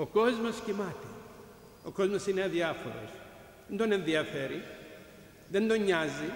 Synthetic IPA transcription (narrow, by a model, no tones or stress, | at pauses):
oko̞zmo̞scimɐt̪i | o̞ko̞zmo̞sineðiɐfo̞̰ɾo̰s | ðend̪o̞ne̞nðiɐfe̞ɾi | ðe̞nd̪o̞ɲːɐzi